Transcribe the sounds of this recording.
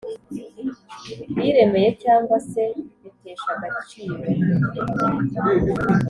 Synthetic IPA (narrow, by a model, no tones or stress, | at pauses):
βiɾe̞me̞je̞caːŋɡwase̞βiteːʃaɡat͡ʃiːɾo